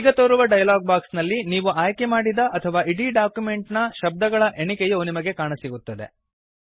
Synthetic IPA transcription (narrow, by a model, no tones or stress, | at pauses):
iɡɐt̪oːɾuʋɐɖɐjɐlaːɡ̚baːksnɐlːiniːʋuaːjkemaːɽid̪ɐʔɐt̪ʰɐʋaːiɽiɖaːkjume̞ɳʈnɐʃɐb̚d̪ɐɡɐɭɐʔe̞ɳikɛjunimɐɡe̞kaːɳɐsiɡut̪ːɐd̪e̞̰